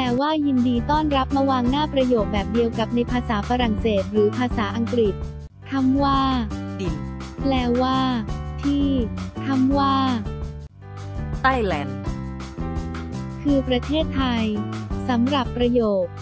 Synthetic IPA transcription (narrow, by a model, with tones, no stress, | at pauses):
lɛː˨˩waː˥˩ji˧ndiː˧t̪ɔː˥˩nɾa˦˥p̚ma˧waː˧ŋnaː˥˩pɾa˧joː˨˩k̚bɛː˨˩p̚di˧əwka˨˩p̚na˧jpʰaː˧saː˩˦fa˧ɾa˨˩ŋseː˨˩t̪̚ɾɯː˩˦pʰaː˧saː˩˦ʔa˧ŋkɾi˨˩t̪̚ | kʰa˧˥mwaː˥˩di˨˩lɛː˧˩waː˥˩t̪ʰiː˥˩k̪ʰa˥˩mwaː˥˩ | t̪a˥˩jlɛː˨˩n̚ | kʰɯː˧pɾa˧t̪ʰeː˥˩t̪ʰːa˧jsa˩˦mɾa˨˩pːɾa˧joː˨˩k̚